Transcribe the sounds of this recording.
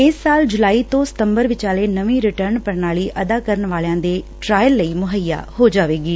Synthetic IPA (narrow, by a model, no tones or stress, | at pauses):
ɪsːaːld͡ʒʊlaːiːt̪õːsɪ̥t̪əmbəɾʋɪt͡ʃaːleːnəʋĩːɾɪʈəɾnpəɾnaːliːʔʔəd̪aːkəɾənʋaːljãːd̪eːʈɾaːjəlːəiːmʊɦəja̰ːhoːd͡ʒaːʋeːɡiː